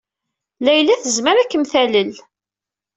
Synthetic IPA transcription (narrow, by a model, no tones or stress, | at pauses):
læjlæθəzməɾækːəmθæləl